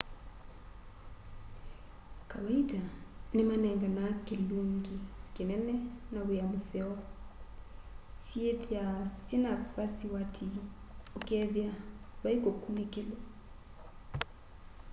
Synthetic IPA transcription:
kawaitanemanɛŋɡanakeluoŋɡikenɛnɛnaweamosɛwa | sjeðjasinapasiwatʰi | okɛðjaβaikokunekelo

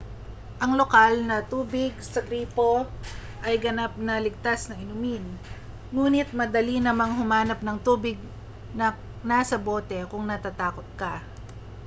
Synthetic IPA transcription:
ʔɐŋlo̞kalnɐt̪uːbɪɡsɐɡɾiːpo̞ | ʔɐjɡɐnap̚nɐlɪɡ̚t̪asnɐŋɪnʊmin | ŋuːnɪt̪̚mɐd̪ɐlinɐmaŋɦʊmaːnɐp̚nɐŋt̪uːbɪɡ̚ | nɐ | nasɐbo̞ːt̪ɛkʊŋnɐt̪at̪aːkot̪̚kɐ

